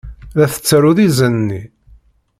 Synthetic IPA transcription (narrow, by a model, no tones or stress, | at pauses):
ðæθə̥t͡sːəɾuðizənnːi